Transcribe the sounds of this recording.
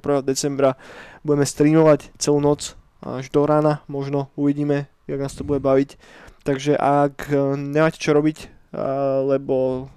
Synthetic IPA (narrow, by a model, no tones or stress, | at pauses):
pɾʋɛɦɔd̪ɛt͡sɛmbɾabuɟɛmɛst̪ɾiːmɔʋact͡sɛluːnɔt͡s | a̰ʒd̪ɔɾaːnamɔʒnɔuʋiɟiːmɛ | jaɡnaːst̪ɔbuɟɛbaʋic | t̪aɡʒɛʔakɲɛmaːcɛ̥t͡ʃɔɾɔbic | lɛbɔ